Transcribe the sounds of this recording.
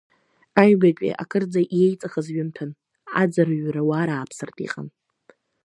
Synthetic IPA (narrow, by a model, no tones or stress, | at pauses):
aɥɡakʲʷʼḭʔa̰kʰɨrd͡zaʔjejt͡sʼaχazɥʏmtʰɨn | a̰d͡zarɥrawaɾaːpʰsɨrtʼḭqʼa̰n